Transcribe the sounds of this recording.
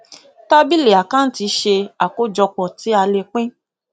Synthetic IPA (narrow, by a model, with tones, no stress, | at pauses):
ta˦bi˦le˨a˨kã˦n̩˦ti˧ʃe˧a˨ko˦d͡ʒɔ˧k͡pɔ˨ti˨˦a˧le˧k͡pẽ˦